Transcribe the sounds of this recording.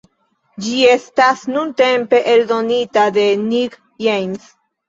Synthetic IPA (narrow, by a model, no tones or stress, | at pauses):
d͡ʒie̞stasnunte̞mpe̞ʔeldo̞nitad̪e̞nik | jejns